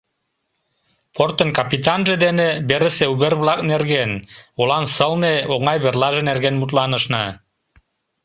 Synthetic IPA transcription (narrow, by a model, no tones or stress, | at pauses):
port̪ə̆nkɑpit̪ɑnʒĕd̪enebeɾə̆seuβerβlɑknerɣenolɑnsɤlneoŋɑjβerlɑʒĕnerɣenmut̪lˠɑnə̆ʃnɑ